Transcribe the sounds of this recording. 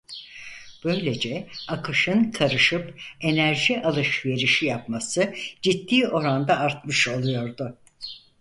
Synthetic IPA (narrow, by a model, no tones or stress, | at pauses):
b̥ø̞jlʲe̞d͡ʒɛakʰɯʃɯnkʰaɾɯʃɯpe̞næɾʒiʔalˠɯʃve̞ɾiʃijap̚masɯd͡ʒid̪ːiːo̞ɾand̪aːɾt̪mɯʃo̞lˠujo̞ɾd̪ʊ